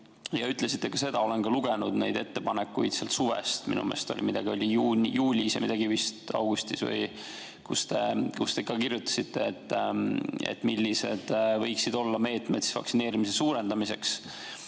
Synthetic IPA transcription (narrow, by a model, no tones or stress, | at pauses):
jɑyt̪ːˑle̞sit̪ˑːe̞kɑse̞d̪̥ɑo̞lenkɑluɡ̥enud̪̥ne̞jd̪e̞t̪ːe̞pɑnekːujd̪̥seɑlt̪suvḛst̪mḭnṵmḛːst̪olʲʔimid̪̥ɑɡ̥io̞lʲijuːnjuːlʲisjɑmid̪ɑɡ̥ivist̪ɑ̰wɡ̥ust̪isvɤ̰j | kust̪e̞̰kust̪e̞kɑkirjut̪ːˑɑ̥sit̪ːe̞et̪ː | ḛt̪ːˑmilʲːise̞d̪̥vɤjksid̪o̞lːɑme̞ːt̪ˑme̞t̪si̥svɑ̰ksine̞ːɾimis̬e̞suːɾe̞nd̪̥ɑmise̞ks